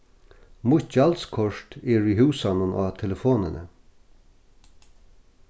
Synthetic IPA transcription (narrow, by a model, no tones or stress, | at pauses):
mʊht͡ʃalskʰɔʂt̪ɛːɹiɦʉːsanʊnʔa̰ːt̪ʰɛləfoːnɪnə̰